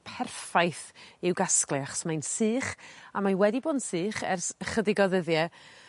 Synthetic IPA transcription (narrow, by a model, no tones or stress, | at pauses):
pʰɛrfajθɪwɡasklˠɪaχɔ̥smajnsɨːχamawɛdiboːdnsɨːχɛrsəχədɪɡɔðəðjɛ